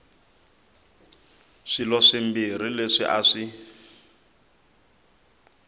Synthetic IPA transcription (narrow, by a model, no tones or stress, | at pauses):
ʂilɔʂimbir̤ileʂḭʔaʂi